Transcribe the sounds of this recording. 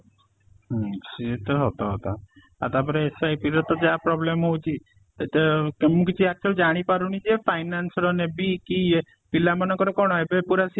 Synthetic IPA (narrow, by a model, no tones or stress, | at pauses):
ɦset̪ɔɦɔt̪ɔɦɔ̰t̪a̰ | a̰t̪apɔɾeesajpiɾɔt̪ɔd͡ʒapɾɔblemɦowt͡ʃʰi | t̪emũkit͡ʃʰiak̚t͡ʃʰɔld͡ʒaɽ̃ipaɾunid͡ʒepʰajnansɾɔnebiki | pilamanɔ̃ŋkɔɾɔkɔɽ̃ɔebepuɾasi